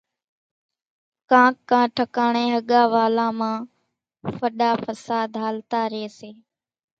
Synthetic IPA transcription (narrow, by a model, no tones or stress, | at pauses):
kãːkːãːʈʰəkaːɳẽːɦəɠaːʋaːlãːmãː | fəɗaːfəsaːd̪ɦaːlt̪aːɾeːseː